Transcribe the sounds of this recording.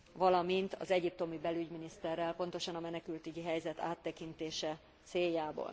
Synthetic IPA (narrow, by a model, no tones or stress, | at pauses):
vɒlɒmint̪ʰɒ̰zɛɟip̚t̪o̞mibɛlyɟminist̪ɛrːɛlpo̞nt̪o̞ʃɒnɒmɛnɛkylt̪yɟiɦɛjzɛt̪a̰ːt̪ːɛkint̪eːʃɛ | t̪seːjːaːbo̰ːl